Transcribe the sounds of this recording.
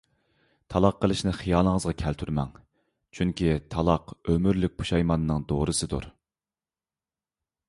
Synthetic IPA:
t̪ʰɑlˠɑqʰːəlˠɨʃnɪχijɑːlˠəŋəzʁɑkʲʰɛlt̪ʰyɾmɛ̰ŋ | t͡ʃʰyŋkʲʰit̪ʰɑlˠɑqømyɾlyk̚ʲpʰu̥ʃɑjmɑnːɨŋd̪oːɾɨsɨd̪ṵɾ

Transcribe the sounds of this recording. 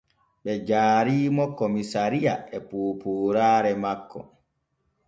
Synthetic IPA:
ɓɛd͡ʒaːɾiːmɔkomisaɾijaɛpuːpuːɾaːɾɛmakːɔ̰

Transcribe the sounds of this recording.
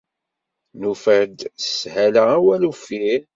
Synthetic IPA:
nufəɾd̪shælææwælufi

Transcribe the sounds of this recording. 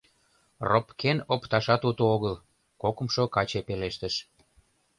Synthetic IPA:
ropkenopt̪ɑʃɑt̪ut̪ooɣəl | kokə̆mʃokɑt͡ɕepeleʃt̪əʃ

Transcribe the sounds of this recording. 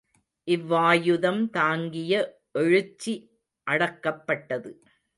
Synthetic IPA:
ʔɪʋːaːjɯðɐmt̪aːŋɡɪjɐ | ʔɛɻɯt͡ʃːi | ʔɐɽɐkːɐpːɐʈːɐðɯ

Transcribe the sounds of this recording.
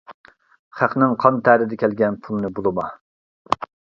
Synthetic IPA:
χæqnɪŋqʰɑnt̪ʰæɾɪd̪ɛkʲʰɛlɡʲɛnpʰulˠnɨbolˠɨmɑ

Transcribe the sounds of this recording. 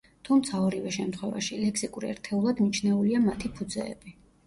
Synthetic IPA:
t̪ʰumt̪sʰaɔɾivɛʃɛmt̪ʰχwɛva̰ʃilɛksikʼuɾiɛ̰ɾt̪ʰɛulˠad̪nit͡ʃʰnɛuliamat̪ʰipʰud̪zɛ̰ːbi

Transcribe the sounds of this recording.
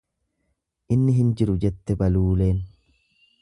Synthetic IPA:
ʔɪnːɪɦɪnd͡ʒɪɾʊd͡ʒɛt̪ːɛbɐluːle̞ːn

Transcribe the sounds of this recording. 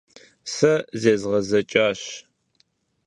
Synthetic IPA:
sɐzeːzʁɐzɐt͡ʃʼaːɕ

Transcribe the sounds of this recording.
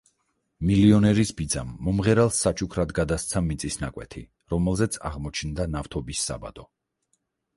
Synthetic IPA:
miliɔnɛɾisbid̪za̰mːɔmʁɛɾalˠsːat͡ʃʰʼukʰɾad̪ɡad̪ast̪sʰamit̪sʼisnakʼwɛ̰t̪ʰḭ | ɾɔmɛlˠzɛt̪sʰa̰ʁmɔt͡ʃʰnd̪anaft̪ʰɔbisːa̰ba̰d̪ɔ

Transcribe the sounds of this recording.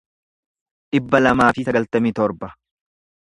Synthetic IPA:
ᶑɪbːɐlɐmaːfɪsɐɡɐlt̪ɐmiːt̪ɔɾbɐ

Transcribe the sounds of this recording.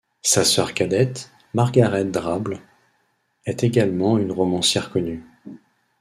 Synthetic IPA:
sasœʁkʲad̪ɛt̪ | maʁɡaʁɛt̪̚d̪ʁabl | ɛt̪eɡalmɑ̃ynʁɔmɑ̃sjɛʁkɔny

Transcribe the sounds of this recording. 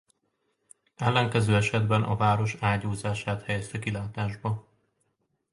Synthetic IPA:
ɛlːɛŋkɛzøːɛʃɛd̪bɛnʔɒ̰vaːɾo̞ʃaːɟoːzaːʃaːt̪hɛjɛst̪ɛkilaːt̪aːʒbɒ

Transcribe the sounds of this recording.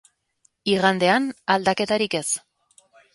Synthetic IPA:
iɣand̪e̞anald̪ake̞t̪aɾike̞s

